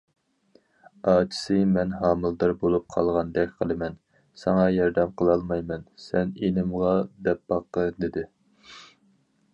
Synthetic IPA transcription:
ɑːt͡ʃʰi̥sɨmɛnɦɑːmɨlˠd̪ɨɾbolˠup̚qʰɑlˠʁɑnd̪ɛkʲqʰəlˠɨmɛn | sɑŋɑjɑɾd̪ɛmqəlˠɑlˠmɑjmɛnsɛnenɪmʁɑd̪ɛp̚bɑqːəd̪ɪd̪ɪ

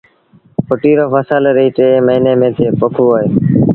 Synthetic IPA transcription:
pʊʈiːɾoːpəsəlɾiːʈeːməɦiːneːmẽːt̪ʰeːpəkʰuːoːeː

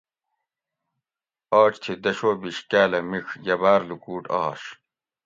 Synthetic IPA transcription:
aːt͡ɕt̪ʰid̪ɐɕoːbiɕkaːlɐmixjɐbaːɾlukuːʈɐ̰ːɕ

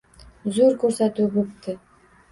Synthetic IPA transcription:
zuɾkɵɾsæt̪uːbop̚t̪ɪ

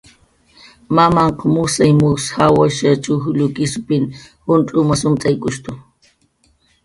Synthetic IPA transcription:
mamaɴqɑmʊsajmʊshawaʃat͡ʃʊxʎʊkɪsʊpɪnhʊntʼʊmasʊmt͡sʼajkʼʊʃt̪ʊ

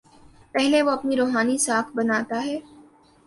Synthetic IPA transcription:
pɛɦleʋoɐpniɾoːɦaːnisaːkʰbɐnaːt̪aɦɛː

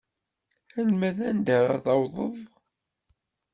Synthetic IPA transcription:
ælmæðænd̪əɾˤa̰ðɑwðˤəðˤ

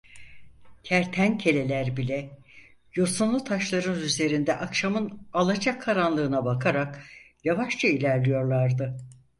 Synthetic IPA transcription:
cʰæɾt̪ʰæncʰe̞lʲe̞lʲæɾbilʲɛ | josunlˠut̪ʰaʃlˠaɾɯnyzle̞ɾind̪ɛʔakʃamɯnalˠad͡ʒakʰːaɾanlˠɯːnabakʰaɾak | javaʃt͡ʃʰailʲæɾlʲijo̞ɾlˠaɾd̪ɯ

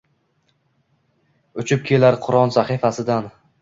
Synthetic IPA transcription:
ʊt͡ʃʰɪp̚kʲʰe̞laɾqʰʊɾɒnsaχifasɪd̪an

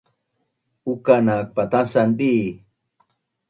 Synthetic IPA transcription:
ukanak̚pat̪asanbi

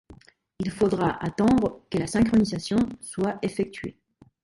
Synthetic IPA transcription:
ilfod̪ʁaʔat̪ɑ̃d̪ʁəkəlasɛ̃kχɔnizasjɔ̃swaefɛk̚t̪ɥḛ

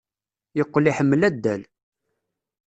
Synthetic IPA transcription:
jəqːliħəmːlæd̪ːæl

